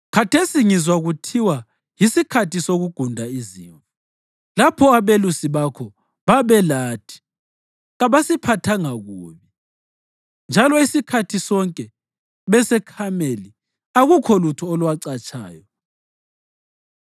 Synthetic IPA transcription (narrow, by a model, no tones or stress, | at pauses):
kʰatʰesiŋizwaɣutʰiwa | jisikʰatisoɣuɡ̥ʱundʱaiziɱvu̥ | lapʰɔaβelusiβakʰɔ | βaβɛlaːtʰi̥ | ɣaβasipʰatʰaŋaɣuːβi | nd͡ʒʱalɔisikʰatʰisɔŋkʼɛ | βɛsɛkʰameli | aɣukʰɔlutʰuɔlwaǀat͡ʃʼa̰ːjɔ